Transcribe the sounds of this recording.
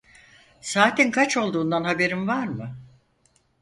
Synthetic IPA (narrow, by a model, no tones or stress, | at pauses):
saːt̪ʰinkʰat͡ʃo̞lˠd̪uːnd̪anhabe̞ɾimvaɾmɯ